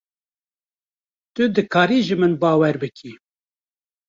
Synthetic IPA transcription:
t̪ɨd̪ɨkʰɑːɾiːʒɨmɨnbɑːwɛɾbɨkʰi

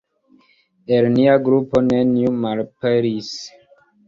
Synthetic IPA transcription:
elniaɡɾupo̞nenjumalpeɾis

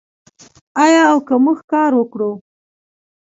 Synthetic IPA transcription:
ɑjɑːwkəmuxkɑɾwəkɽu

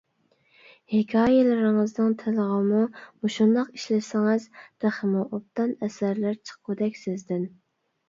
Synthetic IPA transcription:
hɪkʲʰɑːjelɪɾɪŋɨznɨŋt̪ʰɪləʁəmumuʃund̪ɑqiʃlɪsɪŋɨzd̪̥æχəmuʔop̚t̪ɑnɛsæɾlæɾt͡ʃʰə̥qːud̪ɛkʲsɪzd̪ɪn

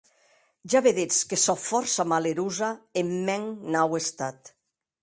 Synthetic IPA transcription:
ʒaβeðet͡skesɔfɔɾsamaleɾuzaemːɛŋnawest̪at̪

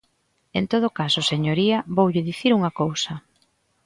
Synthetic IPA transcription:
ent̪oð̞ʊkasʊseɲoɾiɐβowʎɪðiθiɾuŋɐkowsɐ

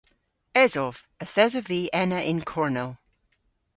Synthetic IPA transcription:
ɛzɔv̥əθɛzəviːʔɛnəʔɪ̃nkʰɔɹnɛlˠ

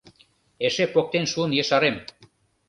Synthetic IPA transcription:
eʃepok̚t̪enʃuənjĕʃɑɾem

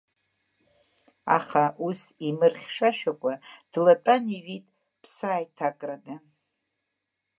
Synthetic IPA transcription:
a̰χaʔusimɨrχʲʂaʃᶣakʷʼad̥latʼaniɥitʼ | pʰsaːjtʰakʼranɨ

